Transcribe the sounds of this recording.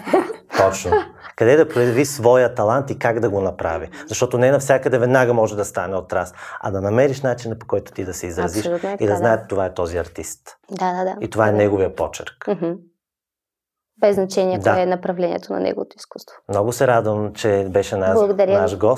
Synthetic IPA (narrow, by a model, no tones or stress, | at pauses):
t̪ɔt͡ʃnokɐd̪ɛd̪ɐpɾojɐvisvɔjət̪ɐlˠant̪ikaɡd̪ɐɡonɐpɾa̰vizɐʃt̪ɔt̪onɛnɐfsʲakəd̪ɛvɛd̪naɡəmɔʒɛd̪ɐst̪anɛot̪ɾasɐ̰d̪ɐnɐmɛɾiʃnat͡ʃinɐpo̥kɔjt̪ʊ̥t̪id̪ɐsɛizɾɐziʃuid̪ɐznaɛt̪t̪ːovaɛt̪ɔziɐɾt̪ist̪d̪ad̪ad̪ait̪ovaɛnɛɡovijəpɔt͡ʃɛɾkm̩ɦ̩ | bɛznɐt͡ʃɛniɛd̪aɛnɐpɾɐvlɛnḭɛ̰t̪onɐ̰nɛ̰ɡovot̪oiskust̪vomnɔɡʊsɛɾad̪vəmt͡ʃɛbɛʃɛnabllˠɐɡod̪ɐɾʲjnaʃɡɔs